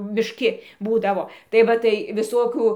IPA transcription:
mʲɪʃʲˈkʲɪ ˈbuːdɐʋoː tɐɪ ˈʋɐ tɐɪ ʋʲɪˈsoːkʲuː

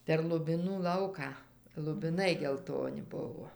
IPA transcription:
pʲɛr lˠʊbʲɪˈnuː ˈlˠɐʊkɑː lˠʊbʲɪˈnɐɪ ɡʲɛlˠˈtoːnʲɪ ˈbʊʋoː

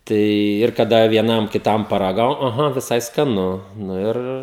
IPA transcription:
ˈtɐɪ ɪr kɐˈdɐ ʋʲiɛˈnɐm kʲɪˈtɐm pɐrɐˈɡɐʊ ɐˈɣɐ ʋʲɪˈsɐɪ skɐˈnʊ nʊ ˈɪr

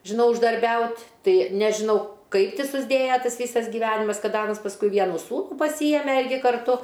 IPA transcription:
ʒʲɪˈnɐʊ ʊʒdɐrʲˈbʲɛʊtʲ ˈtɐɪ nʲɛʒʲɪˈnɐʊ ˈkɐɪp ˈtʲɪ sʊzʲˈdʲeːjɛ ˈtɐs ˈʋʲiːsɐs ɡʲɪˈʋʲæːnʲɪmɐs ˈkɐt ˈɑːnɐs pɐsˈkʊɪ ˈʋʲiɛnuː ˈsuːnuː pɐˈsʲiːjɛmʲɛ ˈɪrʲɡʲɪ kɐrˈtʊ

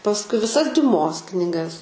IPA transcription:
pɐsˈkʊɪ ʋʲɪˈsɐs dʲʊˈmoːs knʲɪˈɡɐs

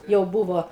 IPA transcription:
jɛʊ ˈbuːʋoː

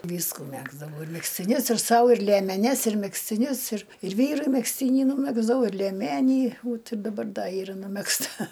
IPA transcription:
ˈʋʲiːskʊ ˈmʲæːɡzdɐʋɐʊ ɪr mʲɛksʲtʲɪˈnʲʊs ɪr ˈsɐʊ ɪr lʲiɛmʲɛˈnʲɛs ɪr mʲɛksʲtʲɪˈnʲʊs ɪr ɪr ˈʋʲiːrʊɪ mʲɛksʲˈtʲiːnʲɪ nuːˈmʲæːɡzdɐʋɐʊ ɪr lʲiɛˈmʲæːnʲiː ˈʋoːt ɪr dɐˈbɐr ˈdɐ ˈiːrɐ nʊmʲɛksˈtɐ

